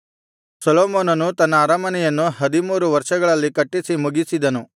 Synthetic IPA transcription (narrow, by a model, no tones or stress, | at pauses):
sɐloːmoːnɐnut̪ɐnːɐaːɾɐmɐnɛjɐnːuɦɐd̪imuːɾuʋɐɾʂɐɡɐɭɐlːikɐʈːisimuɡisid̪ɐnu